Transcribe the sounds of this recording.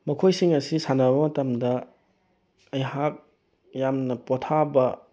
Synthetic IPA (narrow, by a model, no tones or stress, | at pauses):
mɐkʰojsiŋɐsisanɐbɐmɐtɐmdɐ | ɐjɦap̚ | jamnɐpotʰabɐ